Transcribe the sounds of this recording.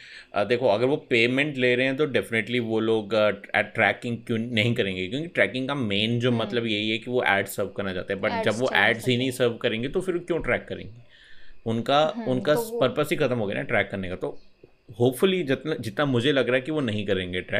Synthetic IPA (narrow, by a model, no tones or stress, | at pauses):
d̪eːkʰoɐɡəɾʋopeːmɛ̃ɳʈleːɾɐɦeɛ̃t̪̬oɖɛfɪneʈliʋoloːɡɛ̰ʈɾɛːkɪ̃ŋɡkjõnɐɦĩkɐɾẽːŋɡekjõːkiʈɾɛːkɪ̃ŋɡkameːnd͡ʒoːmɐt̪ləbjeɦiɦɛkiʋoʔɛ̰ːɖssəːɾʋkɐɾnad͡ʒa̰ːt̪eɦɛ̃bɐʈ̚d͡ʒɐbʋoʔɛːɖzɦinɐɦĩsəːɾʋkɐɾẽːŋɡet̪ofɪɾkjõːʈɾɛːkːɐɾḛ̃ːŋɡeː | ʊnkaʊnkapɐɾpəsikʰɐt̪əmɦoːɡḛja̰ɛʈɾɛːkːɐɾnekat̪o | hoːpfʊlid͡ʒɪt̪nad͡ʒɪt̪namʊd͡ʒʱelɐɡɾaːɦɛkiʋonɐɦĩkɐɾẽːŋɡeʈɾɛ̰ːk